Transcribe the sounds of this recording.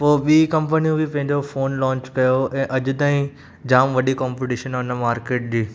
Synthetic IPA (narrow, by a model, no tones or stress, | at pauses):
poːɓiːkɐ̃mpənijũbɪpɐ̃ɦɪ̃ɲd͡ʑofoːnlɔ̃ːɲt͡ɕkɐjoɛ̃ːʔɐʄʊ̆t̪aːĩ | d͡ʑaːmʋɐɗikɔːmpiʈiʃənɔːnəmaːɾkeːʈ̚ɗiː